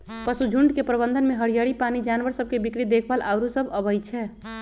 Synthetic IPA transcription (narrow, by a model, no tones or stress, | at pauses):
pəsud͡ʒʱuɳɖkepɾəbənd̪ʱənmeɦəɽijəɽipanid͡ʒanʋəɾsəb̚ʱkebikɽid̪ekʰbəlʔaʊɾusəbʱəbəjt͡ʃʰɛ